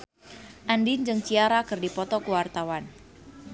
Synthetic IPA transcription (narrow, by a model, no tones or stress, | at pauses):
ʔandind͡ʒɨŋt͡ʃiaɾakɨrdipɔt̪ɔkuwart̪awan